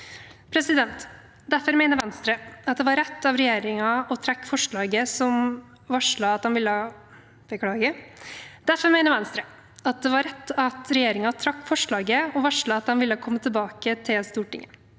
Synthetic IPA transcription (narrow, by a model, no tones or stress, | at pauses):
pʰɾɛsɪd̪ɛnt̪ | d̪æfɔɾmɛɪnəɾʋɛnst̪ɾəɑt̪̚d̪ɛʋɑɾɛt̪ːɑʋɾɛjeːɾɪŋɑɔt̪ʰɾɛkːfɔʂɭɑːɡəsɔm | ʋɑʂɭɑɑt̪̚d̪ɛnʋɪlːəɑ | b̥əkʰɽɑːɡə | d̪̥æɾfɔɾmɛɪnəʋɛnst̪ɾə | ɑt̪̚d̪ɛʋɑɾɛt̪ːɑt̪ɾɛjeːɾɪŋɑt̪ʰɾɑkːfɔʂɭɑːɡəɔʋɑʂɭɑɑt̪̚d̪ɛnʋɪlːəhɑkʰɔmːət̪ʰɪlbɑːkət̪ʰɪlst̪uːʈɪ̰ŋːə